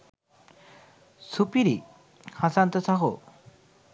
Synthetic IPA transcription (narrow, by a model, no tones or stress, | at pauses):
supiɾi | hasant̪ɔsaɦo̰